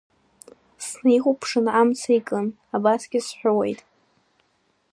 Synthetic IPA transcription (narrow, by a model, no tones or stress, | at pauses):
snejχupʰʂɨnamt͡sʰaikʼɨn | abasɡʲɪsħʷᶣʊwḛjtʼ